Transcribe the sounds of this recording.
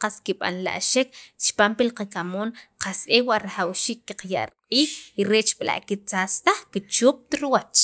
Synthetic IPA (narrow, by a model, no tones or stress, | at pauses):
qaskiɓa̰nla̰ʔʃekt͡ʃpaːmpilqakamoːnqasʔewaʔɾaχawʃiːkːiqja̰ʔɾqʼiːxiɾet͡ʃɓla̰ʔkit͡sast̪aχkit͡ʃuːp̚t̪ɾwat͡ʃ